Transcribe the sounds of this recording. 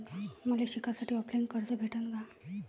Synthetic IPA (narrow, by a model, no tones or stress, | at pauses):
məleɕikʰasaʈʰiːɔpleŋkəɾt͡səbʱeʈʰənɡa